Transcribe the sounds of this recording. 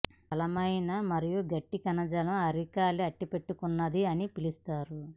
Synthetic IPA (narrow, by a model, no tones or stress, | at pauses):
ɐlɐmɐjnɐmɐɾijuɡɐʈːikɐnɐd͡ʒɐlɐmɐɾikaːliɐʈːipe̞ʈːukunːɐd̪iɐnipilist̪aːɾu